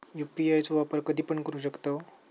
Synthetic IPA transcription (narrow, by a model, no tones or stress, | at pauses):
jupiajt͡soʋapəɾkəd̪ʱiːpəɳkəɾuːɕ̬əkt̪a